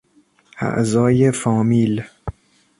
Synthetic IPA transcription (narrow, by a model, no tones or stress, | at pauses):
ʔæ̰ʔzɒːjefɒːmiːl